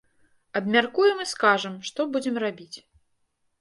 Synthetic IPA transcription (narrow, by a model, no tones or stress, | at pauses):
ɐbmʲarkujɛmɨskaʐɐmʂt̪ɔbud͡zʲɛmrabʲit͡sʲ